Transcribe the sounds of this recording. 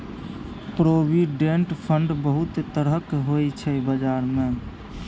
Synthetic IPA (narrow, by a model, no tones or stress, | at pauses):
pɾoːʋiɖẽɳʈpʰəɳɖbəɦʊt̪t̪əɾəkɦoit͡ʃʰɛbəd͡ʒaːɾmẽ